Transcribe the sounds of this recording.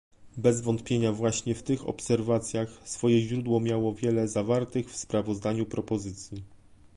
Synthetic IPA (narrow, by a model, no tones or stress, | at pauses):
bɛzvɔnt̪pʲjeɲavwaɕɲɛft̪ɘxɔ̰psɛɾvat̪sʲjaxsfɔjɛʑɾud̪wɔmʲjawɔvʲjɛlɛzavaɾt̪ɘxfspɾavɔzd̪aɲupɾɔpɔzɘt̪sʲji